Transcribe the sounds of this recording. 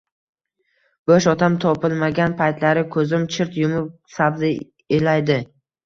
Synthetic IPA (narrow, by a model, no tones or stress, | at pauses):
b̥oʃɒt̪amt̪ʰɒpɪlˠmaɡʲanpʰajt̪laɾɪkʰɵzɪmt͡ʃʰɪɾt̪jʊmʊp̚ | sabzɪ | elajd̪ɪ